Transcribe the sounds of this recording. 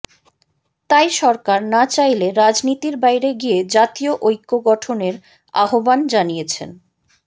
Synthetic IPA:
t̪ajʃɔɾkaɾnat͡ɕajleɾad͡ʑnit̪iɾbajɾeɡied͡ʑat̪ioʔojkːoɡɔʈʰoneɾ | a̰ɦoband͡ʑanijet͡ɕʰḛn

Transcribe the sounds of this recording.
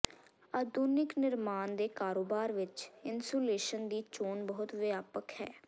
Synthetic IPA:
aːd̪uːnɪknɪɾmaːnd̪eːkaːɾoːbaːɾʋɪt͡ʃɪnsoːleːʃənd̪iːt͡ʃoːnbɔːʊt̪ʋɪaːpəkhɛ̰ː

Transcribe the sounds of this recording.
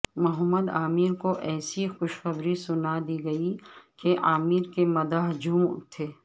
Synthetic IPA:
mʊɦəmːəd̪aːmiːɾkoʔɛːsixʊʃxɐbɾisʊnad̪iːɡɐikeʔaːmiːɾkemɐd̪aːɦd͡ʒuːm̰t̪ʰeː

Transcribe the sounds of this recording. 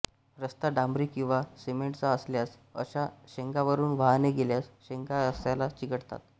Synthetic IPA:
ɾəst̪aɖãmbɾiːkĩw̃ʋasemeɳʈt͡saəsljas | ə̰ɕaɕeŋkaʋəɾuːnʋaɦneɡeljasɕeŋkaɾəst̪jalat͡ɕiɡəɽt̪a̰t̪

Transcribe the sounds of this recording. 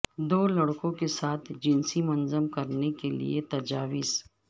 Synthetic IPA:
d̪oːlɐɽkõkesaːt̪ʰd͡ʒɪnsimɐnzəmkɐɾnekelḭet̪ɐd͡ʒaːʋɪs

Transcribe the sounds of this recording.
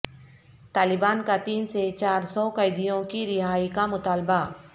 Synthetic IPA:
t̪aːlɪbaːnkat̪iːnset͡ʃaːɾsɔkɐɪd̪ijõkiɾɪɦaːikamʊt̪aːlba

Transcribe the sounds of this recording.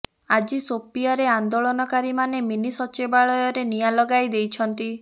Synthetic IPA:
ad͡ʒisopijaɾeand̪oɭɔnɔkaɾimaneminisɔt͡ʃebaɭɔjɔɾenijalɔɡajd̪ejt͡ʃʰɔnt̪i

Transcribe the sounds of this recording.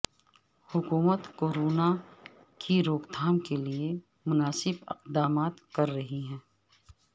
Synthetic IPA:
hʊkuːmət̪koːɾoːna | kʰiɾoːkd̪ʱaːmkelie | mʊnaːsɪbɪ̰qd̪aːmaːt̪kɐɾːɐɦiɦɛ̃ː

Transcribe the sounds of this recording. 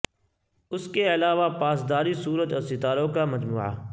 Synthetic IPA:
ʊskeɐlaːʋapaːsd̪aːɾisuːɾət̪ɔsɪt̪aːɾõkamɐd͡ʒmuːʕa̰

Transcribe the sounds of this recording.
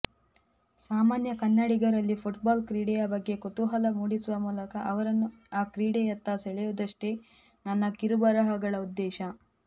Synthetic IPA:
saːmaːnjɐkɐnːɐɽiɡɐɾɐlːipʰuʈbaːlkɾiːɽejɐbɐɡːe̞kot̪uɦɐlɐmuːɽisuʋɐmuːlɐkɐʔɐʋɐɾɐnːu | aːkɾiːɽejɐt̪ːaːseɭɛjud̪ɐʂʈe | nɐnːɐkiɾubɐɾɐɦɐɡɐɭɐud̪ːɛːʃɐ

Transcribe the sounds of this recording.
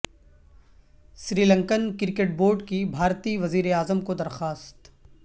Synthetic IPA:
sɾiːlə̃ŋkənkɪɾkeʈ̚boːɾɖkibʱaːɾt̪iʋɐziːɾeaːzəmkod̪ɐɾxaːst̪

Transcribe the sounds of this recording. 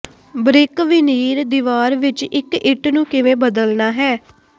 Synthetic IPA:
bɾɪkʋɪniːɾd̪iʋaːɾʋɪt͡ʃɪkɪʈnũːkɪʋẽːbəd̪əlnaːɦɛː

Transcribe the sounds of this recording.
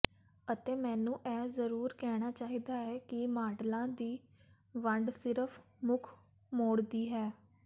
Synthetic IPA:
ət̪eːmɛ̃ːnũːʔɛːzəɾuːɾkɛːɽ̃aːt͡ʃaːɦiːd̪aːɦɛːkɪmaːʈlãːd̪iː | ʋəɳɖsɪɾəpʰ | mʊkʰ | moːɽd̪iːɦɛː

